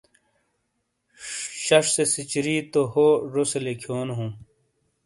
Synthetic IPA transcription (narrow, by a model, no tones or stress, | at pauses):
ɕɐʂsesit͡ɕɾiːt̪ohoːɾoselekʰjoːnɦũ